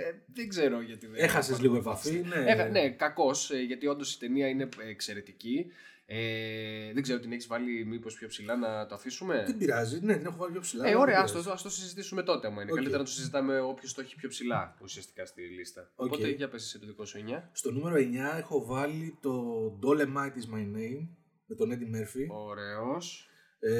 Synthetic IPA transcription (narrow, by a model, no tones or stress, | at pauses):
e | ðeɡze̞ɾo̞ʝɐt̪iðeexɐsesliɣoepɐfineexne̞kɐko̞sʝɐt̪io̞nd̪osi̥t̪e̞niɐine̞eːkse̞ɾe̞t̪ici | eðeɡzeɾot̪ineçizvɐlimipo̞spçopsilɐnɐt̪oɐθisume̞t̪ebiɾɐzinet̪inexovɐlipjopsilɐeo̞ɾe̞ɐɐst̪oɐsoosizit̪isumet̪o̞t̪e̞ɐmɐinekɐlit̪ɾɐnɐt̪osizit̪ɐme̞o̞pço̞st̪oeçi̥pço̞psilɐusiɐst̪i̥kɐst̪ilist̪ɐopoeʝɐpesiset̪oðiko̞sueɲɐst̪o̞nume̞ɾoeɲɐexo̞vɐlit̪o̞d̪olemɐjt̪izmɐjnejm | met̪o̞ned̪imeɾfio̞ɾe̞os